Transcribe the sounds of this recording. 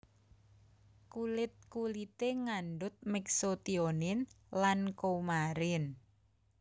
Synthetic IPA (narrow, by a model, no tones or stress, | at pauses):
kulɪt̪̚kulit̪eŋanɖʊt̪̚mɛksot̪ionɪn | lankoumaɾɪn